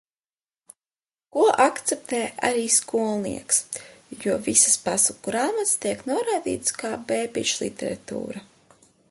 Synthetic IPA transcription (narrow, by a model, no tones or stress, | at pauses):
kuɔʔakt̪sɛp̚t̪ɛːʔa̰ɾiːskuɔlˠnḭɛksjuɔvisɨspasukɾaːmat̪st̪iɛknuɔɾajd̪ḭːt̪skaːbeːpʲḭt͡ʃlˠḭt̪eɾat̪ṵːɾa